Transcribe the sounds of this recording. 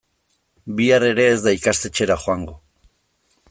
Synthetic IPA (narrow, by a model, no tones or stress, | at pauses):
biaɾe̞ɾe̞ːzd̪aikast̪et͡ʃe̞ɾaxwaŋɡo̞